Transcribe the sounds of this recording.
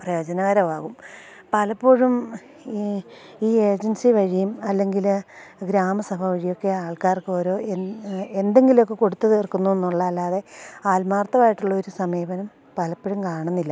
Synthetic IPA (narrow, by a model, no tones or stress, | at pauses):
prɐjo̞ːd͡ʑɐnɐʋɐɾɐʋaːɣum | pɐlɐpːoɻum | iːe̞ːd͡ʑɐnsiʋɐɻijumɐlːe̞ŋɡilɡɾaːmɐsɐbʱɐʋɐɻijo̞kːe̞aːɭkaːrkɨo̞ːɾo̞ːee̞nd̪e̞ŋɡilo̞kːe̞ko̞ɽut̪ːɐðerkunːue̞nːuɭːɐɐlːaːðe̞aːlmaːrt̪ːɐmaːjiʈːuɭːɐoɾusɐmijːʋɐnɐm | pɐlɐpːoɻumkaːɳunːilːɐ